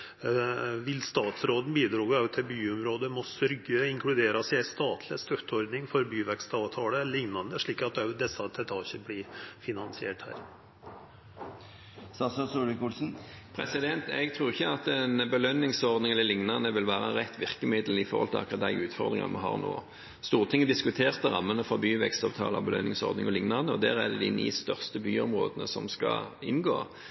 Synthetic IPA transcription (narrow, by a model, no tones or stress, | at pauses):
ʋɪlst̪ɑːt̪sɾoːd̪n̩biːd̪ɾɑːɡɑʋt̪ʰɪlbyːʊmɾoːd̪əmɔsʏɾɡəɪŋkʰlɽʉd̪eːɾɑsɪæɪst̪ɑːt̪ʰlɪst̪œt̪ʰːəɔɾd̪nɪŋfɔɾbyːʋɛkst̪ɑːʋt̪ʰɑːləlɪŋnɑnd̪əʂɭiːkɑt̪̚ɑd̪ɛsɑt̪ʰɛt̪ʰɑːçəblɪfɪnɑnsɪḛːʈhæ̰ːɾ | sɑːsɑsuːlɪkulsn̩pʰʁɛsɪd̪ɛnt̪ɛ̰ɡt̪ʰʁuːʁɪçːəɑt̪ɛnbəlœnːɪŋsɔʁd̪nɪŋɛlːəlɪŋnɑʁnəʋɪlʋæːʁəʁɛt̪ːʋɪʁkəmɪd̪l̩ɪfɔʁhɔlt̪ʰɪ̰lɑ̰kʰɑd̪æɪʉːt̪fɔʁd̪ʁɪ̰ŋɑ̰mʔɑɦɑ̰ːʁno̰ː | st̪uːʁt̪ɪŋːəd̪ɪskʉt̪ʰeːʁt̪əʁɑmːənəfɔbyːʋɛkst̪ɑʋt̪ʰɑ̰ːlɑ̰bəlœ̰nːɪŋsɔ̰ʁd̪nɪŋɔlɪŋnɑʁnəɔd̪æːɾæd̪ɛd̪ɪnḭːst̪œʁst̪əbyːɔmʁo̰ːd̪ənəsɔmskɑ̰ɪnɡo̰ː